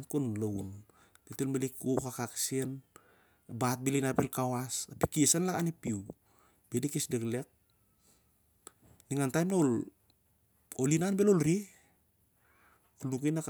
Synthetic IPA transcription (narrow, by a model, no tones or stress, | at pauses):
nkunlown | tetelmalikukakaksien | bat̚bilinapelkawasapikiesanlakanipiw | b̥edikisdekle̞k̚ | niŋantajmnaol | olinanbelolɾi | kunuk̬ujnak